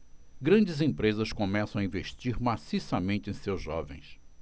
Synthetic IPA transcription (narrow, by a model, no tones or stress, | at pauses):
ɡɾɐ̃nd͡ʒɪzẽpɾezɐskõmɛsɐ̃w̃aĩveʃt͡ʃiɾmasisɐmẽnt͡ʃɪẽj̃sewzʒɔ̰vḛ̃j̃s